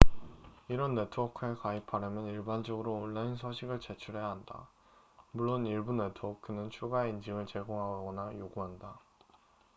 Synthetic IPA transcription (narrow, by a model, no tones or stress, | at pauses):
iɾʌnːe̞tʰuʌkʰɯe̞kaipʰaɾamjʌniɭband͡ʑʌɡɯɾoːɭːainsʰʌɕʰiɡɯɭt͡ɕe̞t͡ɕʰuɭɦe̞jaɦanda̰ | muɭːoniɭbune̞tʰuʌkʰɯnɯnt͡ɕʰuɡaeind͡ʑiŋɯɭt͡ɕe̞ɡoŋɦaɡaɡʌnajoɡuɦanda